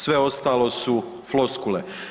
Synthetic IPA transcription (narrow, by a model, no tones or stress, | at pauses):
sʋe̞o̞st̪aːlo̞su | floskule